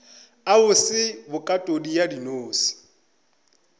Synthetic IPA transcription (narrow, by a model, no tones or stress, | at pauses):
aʊsɪbʊkʼatʼodijadinoːsi̥